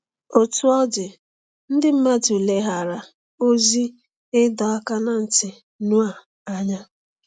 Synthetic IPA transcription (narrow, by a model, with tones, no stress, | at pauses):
o˨tu˦ɔ˦dɪ˨ | n̩˦dɪ˦m̩˦ma˦tu˨le˦ɦa˨ɾa˨ | o˦zi˦ | ɪ˦dɔ˨a˦ka˦na˨n̩˨tɪ˨ | nu˦a˨ | a˦ɲa˦